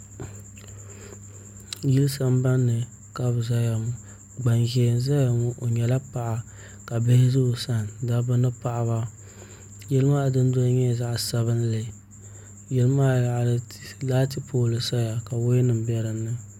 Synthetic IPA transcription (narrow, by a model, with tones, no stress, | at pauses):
ji˦lɨ˦sa˦m˦ba˦nːɨ˨ | ka˦bza˦ja˨mʊ˨ | ɡ͡ba˨nʒɛ˨n˦za˦ja˨mʊ˦ʔo˨ɲɛ˨la˦pa˨ʔa˨ | ka˨bɪ˦hɪ˦zʊ˦ʔsa˦n˨da˦bɨ˦nɨ˦pa˨ʔa˨βa˦ | jɛ˦lɨ˦maː˦˨dɨ˦n˦dɔ˦ɲɛ˦˨za˦ʔsa˨βɨ˦n˦lɨ˨ | jɛ˦lɨ˦maː˦ja˨llaː˦tɨ˦poː˦lɨ˨sa˦ja˨ka˨wo˦nɨ˨m̩˦bɛ˦ɾɨ˨nːɨ˦